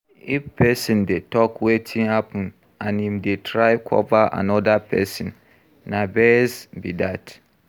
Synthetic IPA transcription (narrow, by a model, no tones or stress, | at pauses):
ifpʰɛsĩndetʰɔkwetʰĩŋapʰʊ̃n | ãnhĩmdetʰɹaɪkʰɔ̰vaʔa̰nɔdapʰɛ̰sĩnː | ãbɛsbidat